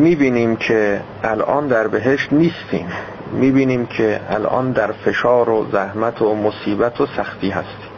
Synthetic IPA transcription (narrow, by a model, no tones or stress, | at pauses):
miːbiːniːmkʰeʔælʔɒ̰ːnd̪æɾbeɦeʃt̪niːst̪ʰḭːm | miːbiːniːmkʰeæ̰lʔɒ̰ːnd̪æɾfe̞ʃɒːɾozæhmæt̪ʰomosiːbæt̪ʰosæxt̪ʰiːɦæ̰st̪i̥ː